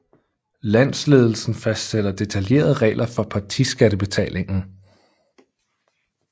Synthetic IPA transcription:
læn̰sle̝ːð̞ˠl̩sn̩fæsd̥sed̥ɐd̥e̝t͡sʰælje̝̰ːɐð̞ˠʁɛ̰ːlʔɐfɒ̽pʰɑ̈t͡sʰisɡ̥æɾ̥əb̥e̝t͡sʰɛ̰ːle̝ŋn̩

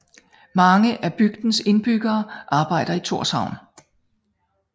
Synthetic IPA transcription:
mɑ̈ŋəʔæb̥yɡ̥̚d̥n̩se̝nb̥yɡ̥ɐːʔɑ̈ːb̥ɑ̈ɪ̰ɾ̥ɐit͡sʰo̝ɐ̰shɑ̈ʊ̰n

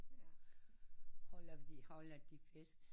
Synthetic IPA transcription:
hɔlɐfd̥ihɒlɐd̥ifesd̥

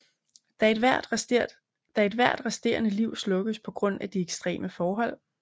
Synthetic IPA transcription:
d̥æeʋæ̰d̥ | d̥æe̝d̥ʋæɐ̰d̥ʁasd̥e̝̰ɐnəliʊ̰slɔ̽ɡ̥əspʰɒ̽ɡ̥ʁɔ̽n̰æd̥ieɡ̥sd̥ʁḛːmʔəfɒːɦɒ̽l̰

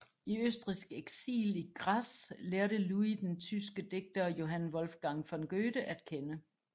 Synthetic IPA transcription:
iøsd̥ʁisɡ̥eɡ̥sḭːliɡ̥ʁasleːɐɾəluid̥ent͡sʰysɡ̥əd̥e̝ɡ̥̚d̥ɐjo̝ɦænʋɒ̽lfɡ̥ɑ̈ŋfɒ̽nɡ̥øːd̥əʔæd̥kʰenə

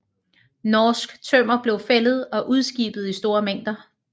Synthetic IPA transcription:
nɒːsɡ̥t͡sʰøm̰ɐb̥le̝ʊfelð̞̩ˠɒ̽ʔuð̞ˠsɡ̥ḭːb̥ð̞̩ˠisd̥o̝ːɐmeŋ̰d̥ɐ

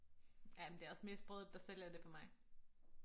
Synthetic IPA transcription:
jæmend̥e̝æɒ̽sme̝ːsb̥ʁɔðˠd̥ɑ̈sel̰æɐd̥e̝pʰɒ̽mɑ̈ɪ

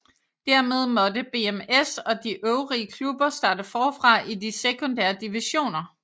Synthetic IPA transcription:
d̥æɐ̰me̝ð̞ˠmɒ̽dəb̥e̝emesɒ̽d̥iʔøʊʁiːəkʰlub̥ɐsd̥ɑ̈ːd̥əfɒːfʁɑ̈ʔidisekʰo̽nd̥æ̰ːɐd̥iʋiɕo̝̰ːnɐ

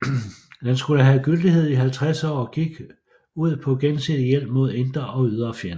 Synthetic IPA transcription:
dænsɡ̥uləɦæɡ̥yld̥ihe̝ð̞̰ˠiɦælt͡sʰʁasɒ̰ːɡ̥iɡ̥ | uð̞̰ˠpʰɒ̽ɡ̥ensedˠjel̰b̥mo̝ð̞̰ˠe̝nd̥ʁɐʔɒ̽yð̞ˠɐːfjæɐnə

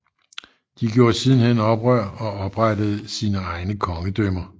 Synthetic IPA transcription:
d̥iɡ̥jo̝ːsiːðˠn̩enɒ̽b̥ʁɶɐ̰ɒ̽ɒ̽b̥ʁɑd̥əð̞̩ˠsiːnəɑ̈ɪnəkʰɒ̽ŋəd̥ømɐ

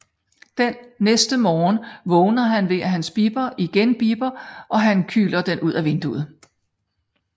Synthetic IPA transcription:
d̥enːesd̥əmɒːnʋɔ̽ːnɐɦænʋe̝æɦænsb̥iːb̥ɐʔiɡ̥enb̥iːb̥ɐʔɒ̽ɦænkʰy̰ːlɐd̥enuð̞̰ˠæʋe̝nd̥ṵð̩ˠ

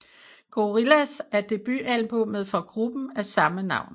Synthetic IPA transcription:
ɡ̥o̝ʁilæsæɐd̥e̝b̥y̰ʔæl̰mb̥oməðˠfɒ̽ɡ̥ʁub̥n̩æsɑ̈mənɑ̈ʊ̰n

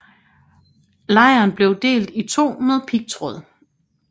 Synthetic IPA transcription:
lɑ̈ɪɐnb̥le̝ʊd̥e̝̰ːld̥it͡sʰo̝̰ːmeðˠpʰiɡ̥̚t͡sʰʁɔðˠ

